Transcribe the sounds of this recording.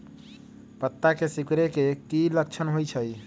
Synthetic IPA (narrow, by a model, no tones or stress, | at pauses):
pət̪ːakesikɾekekilək̚t͡ʃʰənɦojt͡ʃʰəj